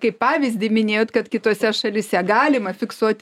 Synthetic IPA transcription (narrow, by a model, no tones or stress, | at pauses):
kɐɪppɑːʋʲɪzʲd̪ʲɪmʲɪnʲeːjoːt̪kɐt̪kʲɪt̪oːsʲɛʃɐlʲɪsʲɛɡɑːlʲɪmɐfʲɪksuɔt̪ʲ